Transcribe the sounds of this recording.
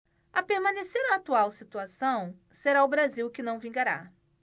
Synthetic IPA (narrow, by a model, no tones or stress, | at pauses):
ɐpeɾmɐ̃neseɾɐːt̪uawsit̪uasɐ̃w̃ | seɾaʊbɾaziwkɪnɐ̃w̃vĩŋɡaɾa̰